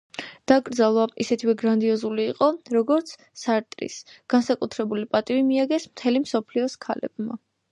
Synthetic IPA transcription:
d̪̥akʼɾd̪zalˠwaʔisɛt̪ʰivɛɡɾand̪iɔzuliːqʼɔɾɔɡɔɾt̪sʰ | saɾt̪ʼɾḭsɡ̥ansakʼut̪ʰɾɛbulipʼat̪ʼivimiaɡɛsmt̪ʰɛlimsɔpʰliɔskʰa̰lɛ̰bma

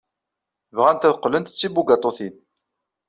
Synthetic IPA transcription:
vʁænt̪æðqːlənt̪t͡sːibuɡɑt̪ˤoθin

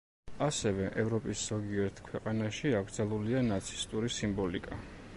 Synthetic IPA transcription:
asɛvɛʔɛvɾɔpʼisz̥ɔɡiɛɾt̪ʰkʰwɛqʼanaʃiaɡɾd̪zalˠulianat̪sʰi̥st̪ʼuɾisimbɔlikʼa

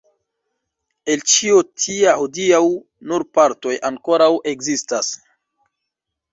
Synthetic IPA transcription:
e̞lt͡ʃiotʰiahodiaw | nuɾpaɾto̞jaŋko̞ɾawʔe̞ɡzistas

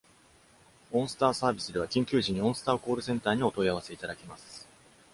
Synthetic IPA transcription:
õ̞ɰ̃sɨ̥t̪aːsaːbʲisɨd̪e̞β̞akʲĩŋkʲɨːʑĩɲ̟ːiõ̞ɰ̃sɨ̥t̪aːko̞ːɾɯ̟sẽnt̪aːɲ̟io̞t̪o̞iaβ̞ase̞it̪ad̪akʲemasɨ̥

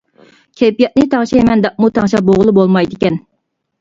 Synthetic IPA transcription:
kʲʰepijɛt̪̚nɨt̪ʰɑŋʃɑmɛnd̪ɑʔ̚mut̪ʰɑŋʃɑboʁlˠɨbolˠmɑjd̪ɪkʲɛn

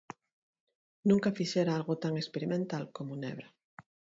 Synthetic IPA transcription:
nũŋkafiʃeɾaalɣot̪aŋespeɾimẽnt̪alkomonḛβɾa

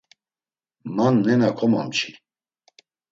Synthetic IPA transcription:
manːɛnakʰɔmamt͡ʃʰi̥

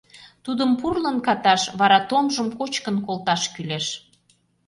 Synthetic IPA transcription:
t̪ud̪əmpurlənkɑt̪ɑʃβɑɾɑt̪omʒəmkot͡ɕkənkolt̪ɑʃkyleʃ

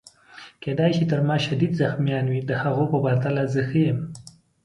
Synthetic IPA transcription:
ked̪ajʃit̪əɾmɑʃad̪id̪zaxmjɑnwid̪əhaɣopəbaɾt̪alazəxəjəm

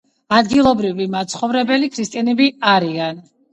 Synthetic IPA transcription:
ad̪ɡilˠɔbɾivimat̪sʰχɔvɾɛbɛlikʰɾist̪ʼianɛbiaɾian

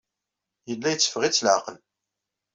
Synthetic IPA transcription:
jəlːæjət͡sːə̥fʁit͡sːlʕaqəl

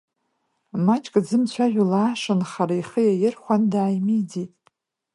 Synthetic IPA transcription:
mat͡ʃʼkʼd͡zɨmt͡ɕʷʰaʒᶣʷalaːʂanχaɾaiχəjajɪrχʷandaːjmid͡zitʼ

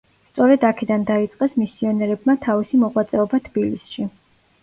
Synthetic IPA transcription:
st̪sʼɔɾɛd̪akʰɛd̪and̪ait̪sʼqʼɛsmisiɔnɛɾɛbmat̪ʰavisimɔʁwat̪sʼɛɔbat̪ʰb̥ilisʃi

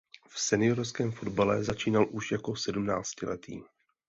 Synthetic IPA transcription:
fsɛnɪjo̞ɾskɛːmfo̞dbalɛzat͡ʃiːnalʔuʃjako̞sɛdumna̰ːt͡scɪlɛ̰t̪ʰḭː

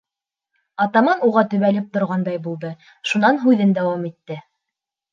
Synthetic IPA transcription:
ɑt̪ɑmɑnuʁɑt̪ɵ̆βælɘp̚t̪ŏɾʁɑnd̪ɑjbulˠd̪ɤ | ʃunɑnɦʉðɘnd̪æwɑmit̪ːɘ

